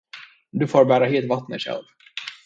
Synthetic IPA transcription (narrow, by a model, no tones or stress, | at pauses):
d̪ɵfoːɾbæːɾaɦeːlt̪vat̪ːnəɕɛ̰lv